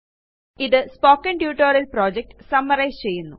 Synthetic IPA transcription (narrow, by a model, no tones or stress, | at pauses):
iðɨspoːkːɐɳɖjuːʈːoːɾɐlproːd͡ʑek̚ʈsɐmːɐrɐjst͡ɕe̞jːunːu